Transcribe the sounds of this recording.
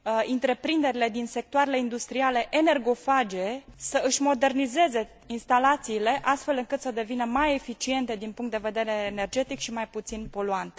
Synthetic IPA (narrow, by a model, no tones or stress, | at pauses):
int̪ɾe̞pɾind̪e̞ɾile̞d̪inse̞k̚t̪oaɾe̞le̞ind̪ust̪ɾiale̞ʔene̞rɡo̞fad͡ʒe̞səɨʃʲmo̞d̪e̞rnize̞ze̞ | inst̪alat̪siːle̞ʔast̪fe̞lɨŋkɨt̪səd̪e̞vinəmaje̞fit͡ʃie̞nt̪e̞d̪inpuŋkt̪d̪e̞ve̞d̪e̞ɾe̞ːne̞rd͡ʒe̞t̪ikʃimajput̪sinpo̞luant̪